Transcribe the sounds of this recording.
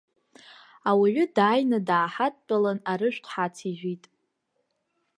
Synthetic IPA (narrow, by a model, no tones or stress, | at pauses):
awiʕʷʏdaːjnadaːħatʼt͡pʼalanaɾɨʃᶣʷqʷʰħat͡sʰiʒʷᶣitʼ